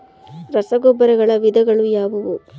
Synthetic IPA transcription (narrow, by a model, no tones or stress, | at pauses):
ɾɐsɐɡɔbːɐɾɐɡɐɭɐʋid̪ɐɡɐɭujaːʋɐʋu